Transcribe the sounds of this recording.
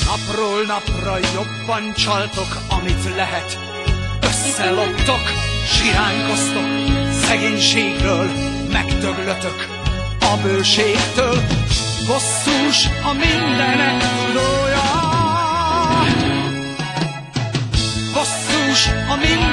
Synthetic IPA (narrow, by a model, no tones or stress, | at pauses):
nɒproːlnɒprɒjo̞bːɒnt͡ʃɒlt̪o̞k | ɒmit̪lɛɦɛt̪ | øsːɛlo̞pt̪okʃiɾaːɲko̞st̪oksɛɡeːɲʃeːɡbøːl | mɛɡt̪øɡløt̪øk | ɒbøːʃeːkt̪øːl | hosːuːʃɒmind̪ɛnɛktuɾoːjɒ | ho̞sːuːʃɒmin